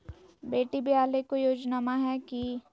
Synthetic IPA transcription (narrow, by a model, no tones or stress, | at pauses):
beːʈibʱiaːlekojoːd͡ʒnamaɦɛki